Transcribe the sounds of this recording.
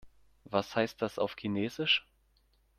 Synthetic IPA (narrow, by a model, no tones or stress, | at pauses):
vashaɪst̚d̥asa̰ʊfkʰineːzɪʃ